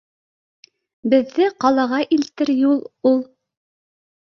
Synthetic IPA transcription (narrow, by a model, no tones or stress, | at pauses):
bɘ̆ðːɘqɑlˠɑʁɑʔilt̪ɘɾjulˠulˠ